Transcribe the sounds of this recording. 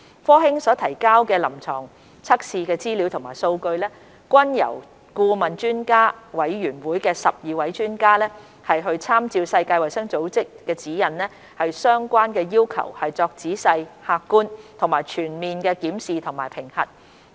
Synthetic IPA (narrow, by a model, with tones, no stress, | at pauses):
fɔː˥hɪ˥ŋsɔː˨˥t̪ʰɐ˨˩jkaː˥wkɛː˧lɐ˨˩mt͡sʰɔː˨˩ŋ | t͡sʰɐ˥k̚siː˨˧kɛː˧t͡siː˥li˨˥wt̪ʰʊ˨˩ŋmaː˨˩jso˧wkɵ˧ɥlɛː˥ | kʷɐ˥njɐ̰˨˩w | kuː˧mɐ˨nt͡ʃyː˥nkaː˥wɐ˨˥jɥyː˨˩nwuː˨˥jkɛː˧sɐ˨p̚jiː˨˧wɐ˨˥jt͡ʃyː˥nkaː˥lɛː˥ | hɐ˨jɦɵ˧ɥt͡sʰaː˥mt͡siː˧wsɐ˧jkaː˧jwɐ˨˩jsɐ˥ŋt͡so˨˥wt͡sɪ˥kːɛː˧t͡siː˨˥jɐ˨nlɛː˥ | hɐ˨jsœː˥ŋkʷaː˥nkɛː˧jiː˥wkʰɐ̰˨˩whɐ˨jt͡sɔː˧k̚t͡siː˨˥sɐ˧jhaː˧kːuː˥nt̪ʰʊ˨˩ŋmaː˨˩jt͡ʃʰyː˨˩nmiː˨nkɛː˧kiː˨˥msiː˨t̪ʰʊ˨˩ŋmaː˨˩jpʰɪ˨˩ŋhɐ̰˨t̚